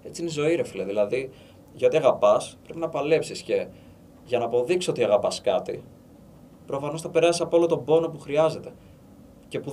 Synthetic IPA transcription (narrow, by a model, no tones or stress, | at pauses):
e̞t͡siineizo̞iɾe̞fileðilɐði | ʝɐot̪iɐɣɐpɐspɾe̞pinɐpɐle̞psisce̞ | ʝɐnɐːpo̞ðiksio̞t̪iɐɣɐpɐskɐt̪i | pɾo̞fɐno̞sθɐpe̞ɾɐsisɐpoɐlo̞t̪o̞bo̞no̞puxɾiɐze̞t̪e̞ | ce̞pu